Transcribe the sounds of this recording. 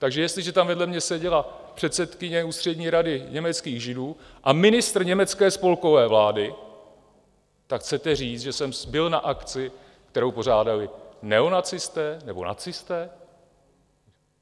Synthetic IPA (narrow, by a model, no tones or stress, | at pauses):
t̪aɡʒɛjɛst̪lɪʒɛt̪amvɛdlɛmɲɛsɛɟɛlapr̝̥ɛt̪sɛt̪kɪɲɛuːst̪r̥ɛdɲiːɾadɪɲɛmɛt͡skiːɣʒɪduː | ʔamɪnɪst̪r̩ɲɛmɛt͡skɛːspo̞lko̞vɛːvlaːdɪ | t̪akxt͡sɛt̪ɛriːt͡s̪ʒɛsɛmbɪlnaʔakt͡sɪ | kt̪ɛɾo̞wpo̞r̝aːdalɪnɛo̞nat͡sɪst̪ɛːnɛbo̞̰na̰t͡sɪst̪ɛː